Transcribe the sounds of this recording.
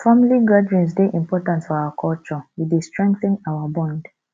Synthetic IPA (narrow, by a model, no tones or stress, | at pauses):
familiɡadɹĩnsdeʔĩmpɔtãntfɔawakʰɔlt͡ʃɔwidestɹɛ̃ŋkθĩnawabɔ̃nd